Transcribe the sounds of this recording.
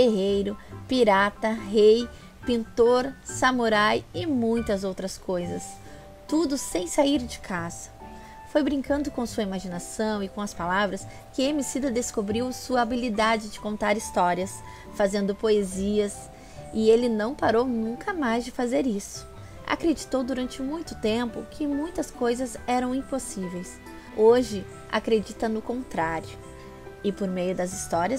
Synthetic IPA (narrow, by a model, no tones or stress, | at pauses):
eɦejɾʊpiɾat̪ɐɦej | pĩnt̪oɾsɐmoɾajɪmũj̃t̪ɐzowt̪ɾɐskojzɐs | t̪ud̪ʊsẽj̃saiɾd͡ʒɪ̥kʰazɐ̥ | fojbɾĩŋkɐ̃nd̪ʊkõsuɐimaʒinasɐ̃w̃ɪkõɐspalavɾɐs | kɪẽmisid̪ɐd̪eskobɾiwsuɐabilid̪ad͡ʒɪd͡ʒɪkõnt̪aɾist̪ɔɾiɐs | fazẽnd̪ʊpoeziɐs | ɪelɪnɐ̃w̃paɾownũŋkɐmajzd͡ʒɪfazeɾisʊ̥ | a̰kɾed͡ʒit̪owd̪uɾɐ̃nt͡ʃɪmũj̃t̪ʊt̪ẽmpʊ̰kʰɪmũj̃t̪ɐskojzɐzɛɾɐ̃w̃ĩposivejs | oʒɪ | a̰kɾed͡ʒit̪ɐnʊkõnt̪ɾaɾjʊ | ɪpoɾmejʊd̪ɐzist̪ɔɾiɐs